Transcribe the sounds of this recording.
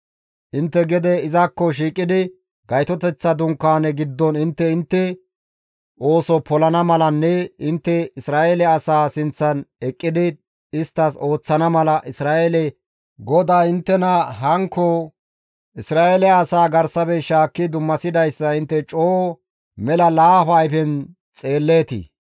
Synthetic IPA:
ʔɪnt̪ːɛɡɛd̪ɛɪzɐkːɔʃ̬iːkʼːɪd̪ɪ | ɡɐjt̪ɔt̪ɛt͡sːɐd̪ʊŋkːaːnɛɡɪd̪ːɔnɪnt̪ːɛɪnt̪ːɛ | ʔo̞ːsɔpɔlɐnɐmɐlɐnːɛɪnt̪ːɛɪsɾaːʔelɛɐsaːsɪnt͡sːɐnɛkʼːɪd̪ɪ | ɪst̪ːɐso̞ːt͡sːɐnɐmɐlɐʔɪsɾaːʔelɛ | ɡɔd̪aːɪnt̪ːɛnɐɦɐŋkːɔ | ɪsɾaːʔelɛɐsaːɡɐɾsɐbɛʃaːkːɪd̪ʊmːɐsɪd̪ɐjsːɐɪnt̪ːɛt͡ʃʼoː | mɛlɐlaːfɐjfɛn | t͡sʼe̞ːlːeːt̪ɪ̰

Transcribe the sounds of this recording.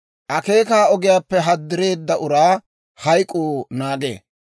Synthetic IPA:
ʔɐke̞ːkaːɔɡɪjaːpːɛɦɐd̪ːɪɾe̞ːd̪ːɐʔʊɾaː | hɐjkʼoːnaːɡḛː

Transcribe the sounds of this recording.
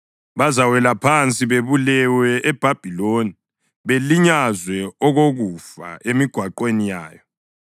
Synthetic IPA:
βazawɛlapʰant͡sʼiβeβulɛwɛɛb̥ʱab̥ʱiloni | βeliɲazwɛɔɣoɣufa̰emiɡ̥ʱwaǃwenijaːjɔ

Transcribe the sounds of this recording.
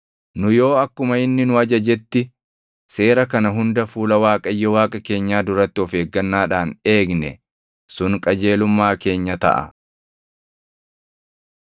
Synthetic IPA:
nʊjo̞ːɐkːʊmɐɪnːɪnʊɐd͡ʒɐd͡ʒɛt̪ːɪ | se̞ːɾɐkɐnɐɦʊnd̪ɐfuːlɐwaːkʼɐjːɛwaːkʼɐke̞ːɲːaːd̪ʊɾɐt̪ːɪɔfe̞ːɡːɐnːaːᶑaːne̞ːɡnɛ̰ | sʊŋkʼɐd͡ʒe̞ːlʊmːaːke̞ːɲːɐt̪ɐ̰ʔɐ̰

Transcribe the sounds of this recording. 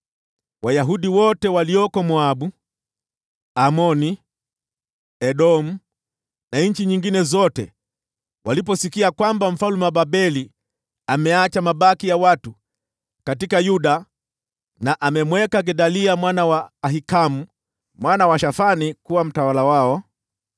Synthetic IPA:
wajaɦuɗiwɔtɛwaliɔkɔmɔaɓu | amɔni | ɛɗɔmu | naɲ̩t͡ʃiɲiŋɡinɛzɔtɛ | walip̬ɔsikiakwambam̩falumɛwaɓaɓɛli | amɛat͡ʃamaɓakijawatu | katikajuɗa | naʔamɛmwɛkaɡɛɗaliamwanawaːɦikamu | mwanawaʃafanikuwam̩tawalawaɔ

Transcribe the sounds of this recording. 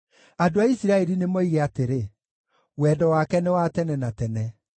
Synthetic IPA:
adoaisiɾaɛɾinemɔiɣɛateɾe | wɛːdɔwakɛnɛwatɛnɛnatɛnɛ

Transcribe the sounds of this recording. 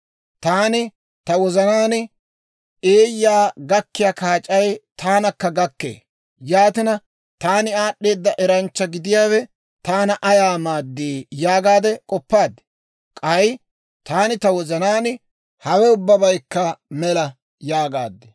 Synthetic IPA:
t̪aːnɪ | t̪ɐwɔzɐnaːn | eːjːaːɡɐkːɪjaːkaːt͡ʃʼɐjt̪ʰaːnɐkːɐɡɐkːḛː | jaːt̪ɪnɐ | t̪aːnɪaːɗːe̞ːd̪ːɐʔɛɾɐnt͡ʃːɐɡɪd̪ɪjaːwɛ | t̪aːnɐʔɐjaːmaːd̪ːiːjaːɡaːd̪ɛkʼɔpːaːd̪ːɛ̥ | kʼɐj | t̪aːnɪt̪ɐwɔzɐnaːnɪ | hɐwɛʊbːɐbɐjkːɐmɛlɐ | jaːɡaːd̪ːɛ

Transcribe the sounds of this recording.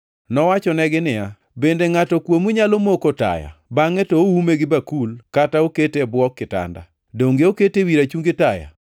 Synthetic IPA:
nɔwat͡ʃɔnɛɡɪnɪja | bendeŋatɔkwomuɲalomokota̰ja̰baŋɛtooumeɡɪbakulkataoketebwɔkːɪta̰nda̰ | doŋɡeoketewiɾat͡ʃuŋɡɪtaja̰

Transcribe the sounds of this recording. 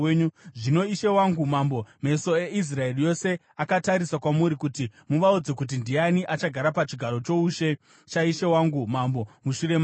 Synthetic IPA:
ɲuʐino̞iʃewaŋɡumambo̞me̞so̞eis̬raerijo̞se̞ | akataɾisakwamuɾikutimuʋaud͡ze̞k̬ut̬indianiʔat͡ʃaɡʱaɾapat͡ʃiɡʱaɾo̞t͡ʃo̞uʃe̞ | t͡ʃaiʃewaŋɡumambo̞muʃuɾe̞m

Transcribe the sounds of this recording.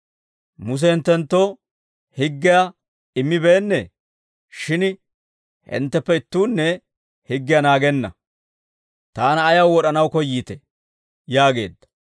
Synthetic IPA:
mʊs̬ɛhɪnt̪ːɛnt̪ːoː | hɪɡːɪja | ɪmːɪbe̞ːnːḛː | ʃɪn | hɪ̰nt̪ːɛpːɛɪt̪ːuːnːɛ | hɪɡːɪjanaːɡɛnːɐ̰ | t̪aːnɐːjɐwwɔɗɐnɐwkɔjiːt̪ɛ̥ | jaːɡe̞̰ːd̪ːɐ̥

